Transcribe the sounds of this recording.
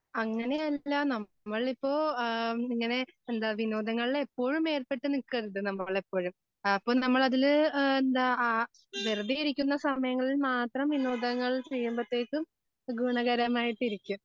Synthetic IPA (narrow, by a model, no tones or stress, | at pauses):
ɐŋːɐne̞jɐlːɐnɐː | ɐɭipːo̞ːiŋːɐne̞end̪aːʋinoːd̪ɐŋːɐɭilepːo̞ːɻume̞ːrpe̞ʈːɨnikːɐðiðɨnɐmːɐɭepːo̞ːɻum | ɐpːoːnɐmːɐɭɐðilend̪aː | ʋerd̪ijiɾikʲːunːɐsɐmɐjɐŋːɐɭilmaːt̪rɐmʋinoːd̪ɐŋːɐɭt͡ɕe̞jːumbɐt̪ːeːkːɨm | ɡuːɳɐɣɐɾɐmaːjiʈːiɾikʲːum